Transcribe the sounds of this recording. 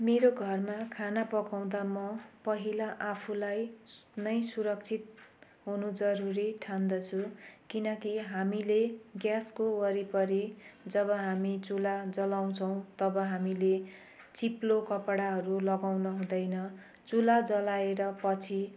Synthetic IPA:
meɾoɡʱʌrmakʰanapʌkaw̃d̪amʌpʌɦilaʔapʰulajnʌjsuɾʌk̚t͡sʰit̪̚ | ɦunud͡zʌɾuɾiʈʰand̪ʌt͡sʰukinʌkiɦamileɡjaskowʌɾipʌɾid͡zʌbʌɦamit͡sulad͡zʌlaw̃t͡sʰʌw̃t̪ʌbʌɦamile | t͡siplokʌpɽaɦʌɾulʌɡawnʌɦũd̪ʌjnʌ | t͡sulad͡zʌlaeɾʌpʌt͡sʰi

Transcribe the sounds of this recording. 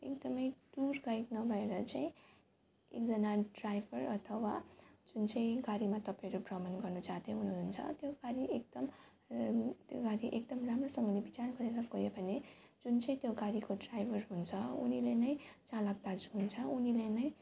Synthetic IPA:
ekd̪ʌmʌjɖurɡaiknʌbʱʌeɾʌt͡saĩ | ek̚d͡zʌnaɖrajbʱʌrʌt̪ʰʌwad͡zunt͡sʌj̃ɡaɾimat̪ʌpãʌɾuprʌmʌnɡʌrnut͡saɦt̪jeɦunununt͡sʰʌ̰t̪joɡaɾiʔek̚d̪̥ʌm | t̪joɡaɾiʔek̚d̪ʌmramrosʌŋɡʌnebit͡sarɡʌɾeɾʌɡʌjebʱʌned͡zunt͡sʌj̃t̪joɡaɾikoɖrajbʱʌrɦunt͡sʰʌṵnilenʌj̃t͡salʌɡt̪ad͡zɦunt͡sʰʌunilenʌj

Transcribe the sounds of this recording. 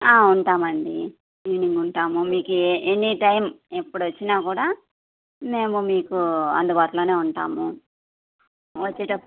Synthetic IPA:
aːuɳʈaːmɐɳɖi | iʋiniŋɡuɳʈaːmumiːkuenːiʈɐjmepːuɽʋɐt͡ʃːinaːkuːɽaː | me̞ːmumiːkuɐ̰nd̪ubaːʈ̪ulo̞ːne̞ːuɳʈa̰ːmu | ʋɐt͡ʃːeːʈɐpː

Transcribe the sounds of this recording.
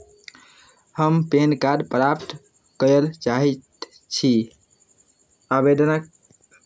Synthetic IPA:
həmpenkaɖpɾapt̪ | kəəlt͡ʃaɦɛt̪ | t͡ʃʰi | abed̪ənək̚

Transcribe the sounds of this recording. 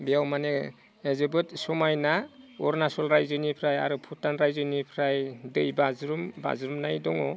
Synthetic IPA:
bijawmane | ezɯbɯtsɔmajnaɔɾnasɔlɾajzɯnipʰɾaja̰ɾɯpʰutanɾajzɯnipʰɾajdɯjbazɾumba̰zɾumnajdɔŋɔ

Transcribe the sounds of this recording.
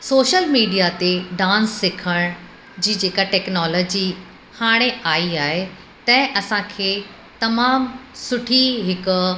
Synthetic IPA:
soːʃəlmiːɖijat̪eɖãːnsːɪkʰəɽ̃ | d͡ʑiːd͡ʑeːkaʈɛːknɔːlɔːd͡ʑi | haːɽ̃eaːiaːɦe | t̪ɐ̃ɦɪ̃ʔɐsãkʰeː | t̪ɐmaːmsʊʈʰiɦɪkʊ

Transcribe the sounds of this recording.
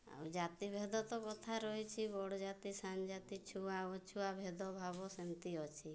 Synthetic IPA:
a̰wd͡ʒat̪ibʱed̪ɔt̪ɔkɔt̪ʰaɾɔɦit͡ʃʰibɔɽɔd͡ʒat̪isand͡ʒat̪it͡ʃʰuaɔt͡ʃʰuabʱed̪ɔbʱabɔsent̪iɔt͡ʃʰi

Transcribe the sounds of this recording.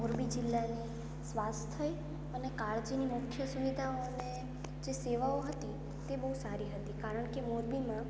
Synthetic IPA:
moɾbid͡ʒɪlːani | sʋast̪ʰəj | ənekaɾd͡ʒinimʊkʰːjəsuʋid̪ʱaone | d͡ʒeseʋaoɦət̪i | t̪ebəɦusaɾiɦət̪ikaɾəɳkemuɾbimã

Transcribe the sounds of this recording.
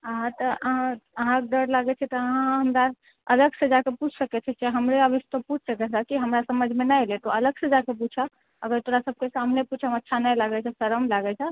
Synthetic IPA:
əɦãt̪ɔʔəɦãəɦãkɖ̪əɾlaɡɛt͡ʃʰɛt̪ɔəɦãɦəmɾa | ələɡsed͡ʒakeput͡ʃʰsəkɛt͡ʃʰɛt͡ʃeɦəmɾeəbist̪əput͡ʃʰsəkɛt͡ʃʰakiɦəmɾasəməd͡ʒʱmenəjlet̪ɔələɡsed͡ʒakep̬ut͡ʃʰa | ə̰ɡəɾt̪oɾasəb̚ʱkesamneput͡ʃʰəmətːʃʰanəjlaɡɛt͡ʃʰɛsəɾəmlaɡɛt͡ʃʰɛ

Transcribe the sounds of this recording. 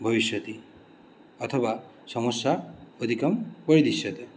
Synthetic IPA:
bʱʌbiʃjɔt̪i | ɔt̪ʰɔba | sɔmɔsaod̪ʱikɔmpɔɾid̪isjɔt̪e

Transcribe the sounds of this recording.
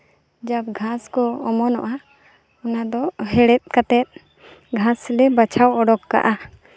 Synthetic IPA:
d͡ʒab̚ɡʱaskɔɔmɔnɔ̰ʔa | ɔnad̪ɔɦɛɽɛt̪̚ˀkat̪ɛt̪̚ | ɡʱaslɛbat͡ʃʰawɔɖɔkːa̰ʔa

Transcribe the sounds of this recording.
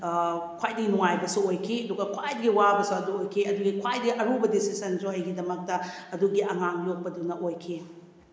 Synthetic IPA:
kʰwajdɐɡinuŋajbɐsuojkʰiɐduɡɐkʰwajdɐɡiwabɐsuɐduojkʰiɐduɡikʰwajdɐɡiʔɐɾubɐdisisɐnzoɐjɡidɐmɐk̚tɐɐduɡiɐŋaŋjok̚pɐdunɐʔojkʰi

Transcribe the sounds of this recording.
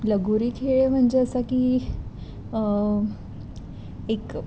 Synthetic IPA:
ləɡuɾiːkʰeɭem̤əɳd͡ʑeəsakiː | ek

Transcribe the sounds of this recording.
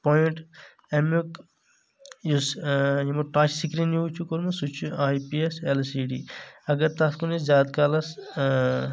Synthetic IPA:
poiɳʈ | emuk | jusjimuʈaːt͡ʃsikɾinjuːt͡ʃʰukoɾmɐsut͡ʃʰuaːjpieselsiːɖḭːɐɡɐɾt̪askuniszʲaːd̪kaːlɐs

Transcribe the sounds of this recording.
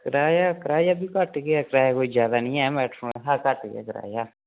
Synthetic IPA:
kəɾaːjaːkəɾaːjaːbiːkəʈɡeɛkɾaːjakoːiːd͡ʒjaːd̪aːnĩːɛːmɛːʈfʰoːnːɦaːkəʈɡɛ̰ːkəɾa̰ːjaː

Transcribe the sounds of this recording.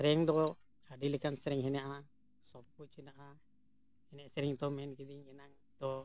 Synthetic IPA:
sɾɛŋd̪ɔ | aɖilɛkansɾɛŋɦɛnɛjaʔa | sɔp̚uʔ̚t͡ʃʰinaʔa | hɛnɛʔsɛɾɛŋt̪ɔmɛnkid̪iŋɛnaŋ | d̪ɔ

